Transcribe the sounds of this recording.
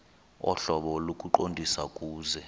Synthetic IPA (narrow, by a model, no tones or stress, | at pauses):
ɔ̰ɬɔɓɔlokʼuǃondʱisakʼuːzɛ